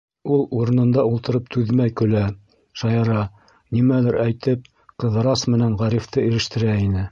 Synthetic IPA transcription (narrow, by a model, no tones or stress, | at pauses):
ulˠuɾɤ̆nɤ̆nd̪ɑulˠt̪ɤ̆ɾɤp̚t̪ʉðmæjkɵ̆læ | ʃɑjɑɾɑ | nimæðɘɾæjt̪ɘp̚ | qɤ̆ð̆ɾɑsmɘ̆nænʁæɾift̪ʰɤiɾɘ̆ʃt̪ɘ̆ɾæinɘ